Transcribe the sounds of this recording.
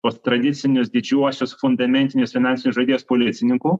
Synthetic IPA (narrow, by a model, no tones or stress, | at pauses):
post̪ɾɐd̪ʲit̪sʲɪnʲʊsd̪ʲɪd͡ʒʲuɔsʲʊsfʊnd̪ɐmʲɛnʲt̪ʲɪnʲɪʊsʲfʲɪnanʲt̪sʲnʲʊsʒod̪ʲijospolʲit̪sʲɪnʲɪŋkʊ